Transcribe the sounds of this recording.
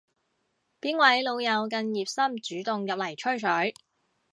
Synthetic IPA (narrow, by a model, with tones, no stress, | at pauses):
piː˥nwɐ˨˥jlo˨˧wjɐ˨˧wkɐ˧njiː˨˩p̚sɐ˥mt͡ʃyː˨˥t̪ʊ˨ŋjɐ˨p̚lɐ˨˩jt͡ʃʰɵ˥ɥsʰɵ˨˥